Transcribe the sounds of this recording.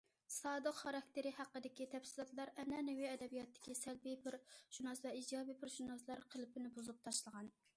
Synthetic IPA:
sɑːd̪əqχɑɾɑk̚ʲt̪ɪɾɪhæqːəd̪ɪkʲit̪ʰɛpsɪlˠɑt̪lˠɑɾɛnɛnɪwiɛd̪ɛbijɑt̪ʰːɪ̥kʲisɛlbipʰɪɾʃunɑsvɛid͡ʒɑːbipʰɪɾʃunɑslˠɑɾqʰəlˠɪpɪnɪbuzup̚t̪ʰɑʃlˠəʁɑn

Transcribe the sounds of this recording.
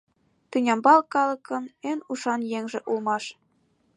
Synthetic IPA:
t̪ɯnʲɑmbɑlˠkɑlɤ̆kɤ̆nenuʃɑnjeŋʒĕʔulmɑʃ

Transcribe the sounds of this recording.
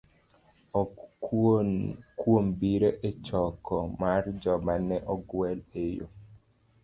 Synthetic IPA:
ɔ | kwombiɾeʔet͡ʃɔkʰɔmard͡ʒɔmanɛʔɔɡwɛlejo̰

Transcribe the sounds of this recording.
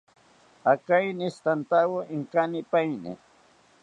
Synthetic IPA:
akajnɪst̪ant̪awoʔɪŋkanɪpajnɪ̰

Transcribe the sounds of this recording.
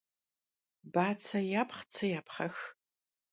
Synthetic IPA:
baːt͡sʰɐjaːpχt͡sʰɐjaːpχɐx

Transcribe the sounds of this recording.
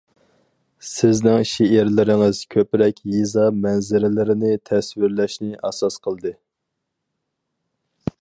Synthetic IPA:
sɪznɪŋʃeɪɾlɪɾɪŋɨz̥kʲʰøpɾɛkʲjizɑmɛnzɪɾɪlɪɾɪnɪt̪ʰɛswɪɾlɛʃnɪʔɛsɑsqʰəlˠd̪ɨ

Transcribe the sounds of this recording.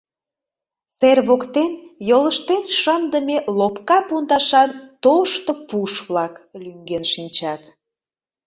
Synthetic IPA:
serβokt̪enjoləʃt̪enʃənd̪əmelopkɑpund̪ɑʃɑnt̪oʃt̪opuʃβlɑklyŋɡenʃinʲt͡ɕɑt̪

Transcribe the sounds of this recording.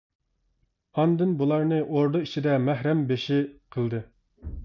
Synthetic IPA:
ɑnd̪ɨnbulˠɑɾnɨʔoɾd̪oit͡ʃʰid̪ɛmæhɾɛmbeʃiqʰəlˠd̪ɨ

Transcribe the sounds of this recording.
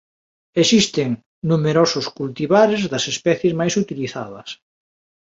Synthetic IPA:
esist̪eŋ | numeɾosʊskult̪iβaɾezðɐsespɛθjezmajsut̪iliθa̰ðɐ̰s

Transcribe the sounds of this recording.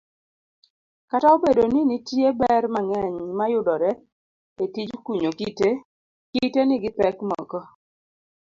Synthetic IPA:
kataobedoninitjebɛrmaŋɛɲmajʊdɔɾɛ | etid͡ʒkwiɲokite | kitenɪɡɪpɛkmɔ̰kɔ

